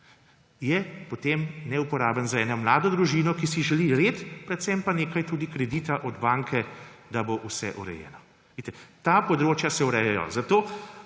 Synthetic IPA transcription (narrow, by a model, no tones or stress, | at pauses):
jɛpot̪eːmnɛupɔɾaːbənzaɛːnɔmlaːd̪ɔd̪ɾuʒiːnɔkisiʒɛliɾeːt̪pɾɛt̪sɛmpaneːkajt̪uːd̪ikɾɛd̪iːt̪aʔɔd̪baŋkʰɛd̪aboʔusɛ̰ʔuɾɛ̰jɛ̰ːnɔ | ʋet̪ɛt̪aːpɔd̪ɾoːt͡ʃjasɛuɾɛjɛjɔ̰zat̪oː